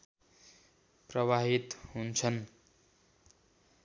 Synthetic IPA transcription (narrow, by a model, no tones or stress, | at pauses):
prʌwaɦit̪ɦunt͡sʰʌn